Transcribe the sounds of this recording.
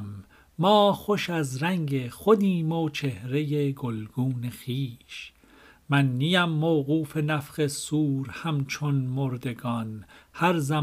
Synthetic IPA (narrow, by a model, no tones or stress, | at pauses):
mː | ɒːxoʃæzɾæŋɡeχod̪iːmot͡ʃʰe̞hɾe̞jeɡolɡ̥uːnexiːʃ | mænːijæmːowɣuːfe̞næfɢesuːɾhæmt͡ʃʰonmoɾd̪e̞ɡɒːnhæɾzæ